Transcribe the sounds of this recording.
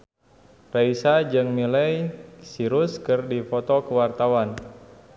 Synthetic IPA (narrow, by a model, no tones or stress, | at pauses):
raisad͡ʒɨŋnilɛjsiɾʊskɨrdifɔt̪ɔkəwart̪awan